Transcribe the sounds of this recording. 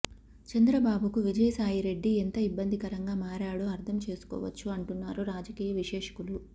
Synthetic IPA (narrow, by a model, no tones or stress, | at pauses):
t͡ʃɐnd̪ɾɐbaːbukuʋid͡ʒɐjɐsaːjiɾe̞ɖːient̪ɐibːɐnd̪ʱikɐɾɐŋɡaːmaːɾaːɽoːɐɾt̪ʰɐmt͡ʃe̞ːsu̥kɔ̰ːʋɐ̰t͡ʃːuɐɳʈunːaːɾuɾaːd͡ʒɐkiːjɐʋiʃɛːʂɐ̥kulu